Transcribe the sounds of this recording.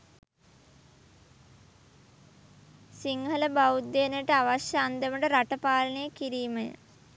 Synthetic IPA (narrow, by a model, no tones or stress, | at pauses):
siŋɦələbaut̪ːeːnəjəʈəaʋaʃjaand̪əməʈəɾaʈəpaːlənejəkiɾiːməjə̰